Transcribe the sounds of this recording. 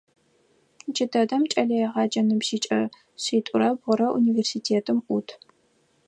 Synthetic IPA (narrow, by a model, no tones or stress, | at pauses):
d͡ʒɪdɐdɐmt͡ʃʼɐɮɐjɛʁɑːd͡ʒɐnɨbʒiːt͡ʃʼɐ | ɕiːtʷʼʊɾɐbʁʊɾɐʔuniːversiːtʰeːtʰɨmʔutʰ